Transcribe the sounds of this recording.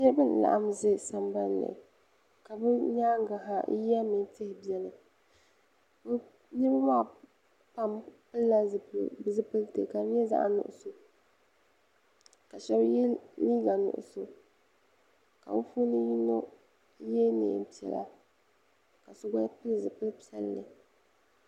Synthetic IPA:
jɛ˦bɨ˦n˨la̰˨ʔa˦mze˦sa˨mba˦nlɨ̰˨ | ka˨bɨ˦ɲaː˦ŋ˦ɡa˨ɦa˨˦ja˦mɨ˨˦tɪ˦hɪ˨bi˦ɛ˦lɨ˨ | bɨ˦ | nɛ˦bɨ˦maː˦ | pa˦mpɨ˦lla˦zɨ̰˨bɨ˦zɨ˦pɨ˦ltɨ˨ka˨bjɛ˦za̰˦ʔnʊ̰˨ʔʊ̰˨so˨ | ka˨ʃɛ˦bliː˦ɡa˨nʊ̰˨ʔʊ̰˨so˨ | ka˨bɨ˦fu˦nɨ˦ji˦no˦ | jɛ˦nḛ˨pi˨ɛ̰˨la̰˦ | ka˨sʊ˦ɡa˦pɨ˦lzɨ˨pɨ˦lpɛ̰˦lːɨ̰˨

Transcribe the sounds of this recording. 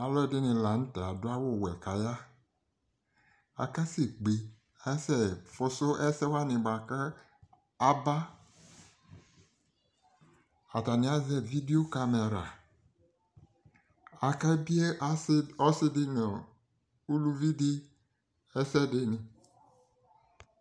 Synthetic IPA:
a˨lɔ˦˨dɪ˦nɪ̃˨la˨n̩˦tɛ˨a˨dʊ˦a˦wʊ˦˨wɛ˨ka˨ja˦ | a̰˨ka˦sɪ˨ɡ͡be˨ | a˦sɛ˦fʊ˦sʊ˦ʔɛ˦sɛ˦wa˦nɪ̃˨ba˨kə˦ | a˨ba˦ | a˨ta˨nɪ̃˨˦a˦zɛ˦˨vi˦di˦o˦ka˦me˨ɾa˨ | a˨ka˦bi˦e˦ɔ˦sɪ˦dɪ˦nɔ˨ | u˦lu˦vi˦dɪ˦ | ɛ˦sɛ˦dɪ˦nɪ˨

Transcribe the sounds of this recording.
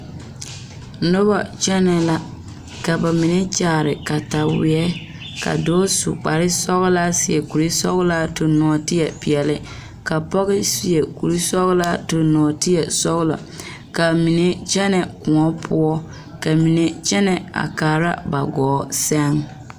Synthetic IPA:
nʊ˦ba˦˨t͡ʃɛ˦nɛ˨la˦ | ka˨ba˨mɪ˨ne˦t͡ʃaː˨ɾɪ˨ka˨ta˨wɪ˨ɛ˦ | ka̰˨doː˦sṵ˨k͡pa˨ɾɪ˦sɔ˦ɣla˦sɪ˨ɛ˨ku˨ɾi˦sɔ˦ɣla˦to˨nɔ˨ɔ˨tɪ˦jɛ˨pi˨ɛ˨lɪ˦ | ka˨pɔ˦ɣɪ˦si˨ɛ˨ku˨ɾi˦sɔ˦ɣla˦to˨nɔ˨tɪ˦jɛ˨sɔ˦ɣla̰˨ | ka˨mi˨ne˦t͡ʃɛ˦nɛ˨kʊ˨ŋɔ˦pʰʊ˦ɔ˦ | ka˨mi˨ne˨t͡ʃɛ˦nɛ˨a̰˨kaː˨ɾa̰˦ba˨ɡɔː˨˦sɛ˦ŋ

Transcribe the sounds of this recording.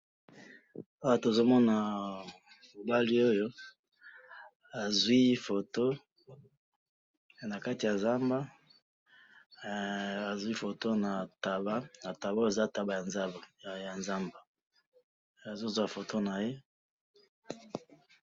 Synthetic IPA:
a˦wa˦to˨zo˦mɔ˦na˨ | mo˨ba˦li˦o˦jo˦ | a˨zwi˦fo˨to˦ | na˨ka˦ti˨ja˨za˦mba˦ | a˨zwi˦fo˨to˦na˨ta˨ba˦na˨ta˨ba˦e˨za˦˨ta˨ba˨ja˨nza˦ba˨ja˨nza˦mba˨ | a˨zo˦zwa˨fo˨to˦na˨je˦

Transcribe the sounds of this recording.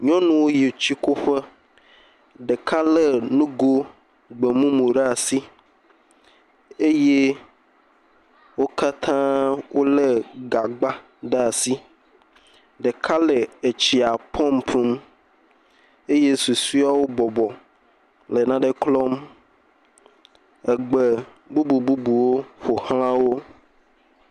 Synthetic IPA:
ɲɔ̃˦nũ˦wo˦je˨t͡ɕi˦ko˦ɸɛ˦ | ɖe˨kʰa˦lɛ˨nũ˦ɡo˦ | ɡ͡be˨mũ˦mõ˨ɖɛ˦a˨si˦ | e˦je˦ | wo˦ka˦t̪ʰã˦wo˦le˦ɡa˨ɡ͡ba˦ | ɖɛ˦a˨si˦ | ɖe˨kʰa˦le˨e˨t͡ɕi˨a˨pʰɔ˦˨mpʰũ˦m | e˦je˦su˨su˦a˦wo˦bɔ˨bɔ˨ | le˨nã˦ɖe˦klɔ˦m | ɛ˨ɡ͡be˨ | bu˦bu˨bu˦bu˨wo˦ɸo˨hã˦a˦wo˦

